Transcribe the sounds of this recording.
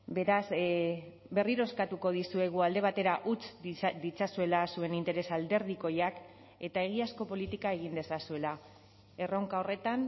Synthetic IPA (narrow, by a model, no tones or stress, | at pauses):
be̞ɾas | be̞riɾo̞skat̪uko̞ð̞isue̞ɣ̞uald̪e̞β̞at̪e̞ɾaʔut͡sd̪it͡sasue̞lasue̞nint̪e̞ɾe̞sald̪e̞ɾð̞iko̞jak | e̞t̪ae̞ɣ̞iasko̞po̞lit̪ikae̞ɣ̞ind̪e̞sasue̞la | e̞rowŋkao̞re̞t̪an